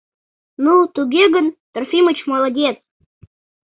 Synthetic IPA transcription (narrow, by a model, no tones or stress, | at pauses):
nut̪uɡʲeɡə̆nt̪ə̆rfʲimə̆t͡ɕmɑlˠɑdʲet͡s